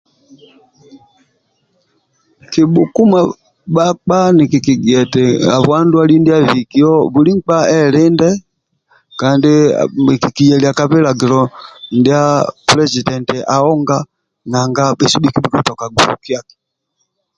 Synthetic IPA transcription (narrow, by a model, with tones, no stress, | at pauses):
ki˨ɓu˨ku˦ma˨ | ɓa˦k͡pa˦ni˨ki˨ki˨ɡɛ˨tɛ˨a˨βwa˦ndwa˦li˦ndi˦a˦vi˨ki˦ɔ˦βu˨li˦ŋ̩˦k͡pa˦ɛ˦lɛ˦ndɛ˦ | ka˨ndi˦˨ki˨ki˨jɛ˨li˨a˨ka˦βɛ˦la˨ɡi˨lɔ˨ndi˦a˦plɛ˦si˨dɛ˨ntɛ˨ʔa˨ɔ˦ŋɡa˦ | na˨ŋɡa˦ɓɛ˦su˦ɓi˦ki˦ɓi˦kɔ˦tɔ˨ka˨ɡu˨ɾṵ˨ki˦a˦kɛ̥˨